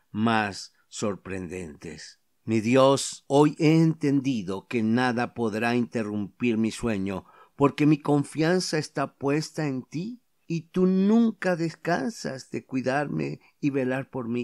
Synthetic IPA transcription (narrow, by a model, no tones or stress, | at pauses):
masː | o̞ɾpɾḛnd̪e̞̰nt̪e̞̰s | miðjo̞soje̞ːnt̪e̞nd̪iðo̞ke̞naðapo̞ðɾaint̪e̞rumpiɾmiswe̞ɲo̞ | po̞ɾke̞miko̞ɱfjansaest̪apwe̞st̪aent̪iː | t̪unũŋkaðe̞skansa̰zðe̞kwiðaɾmḛ | iβe̞laɾpo̞ɾmi